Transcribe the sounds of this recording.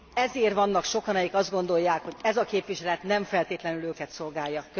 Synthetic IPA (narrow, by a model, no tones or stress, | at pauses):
ɛzeːrʋɒnːɒkʃo̞kɒnɛjikɒzd̪ɡo̞nd̪o̞jːaːkho̞ɟɛzɒkeːpʋiʃɛlɛt̪nɛɱfɛlt̪eːt̪lɛnyløːkɛt̪so̞lɡaːjːɒk